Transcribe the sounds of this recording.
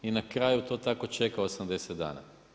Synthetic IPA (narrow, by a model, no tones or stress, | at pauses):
inakɾaːjut̪o̞ːt̪ako̞t͡ʃe̞kaosamd̪e̞set̪d̪a̰ːna̰